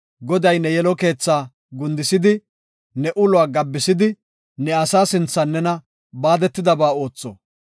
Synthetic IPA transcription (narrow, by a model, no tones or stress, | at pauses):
ɡɔd̪ɐjnɛjɛlɔke̞ːt͡sːaː | ɡʊnd̪ɪsɪd̪ɪ | nɛʔʊlʊaːɡɐbːɪsɪd̪ɪ | nɛɐsaːsɪnt͡sːɐnːɛnɐ | baːd̪ɛt̪ːɪd̪ɐbaːo̞ːt͡sːɔ̰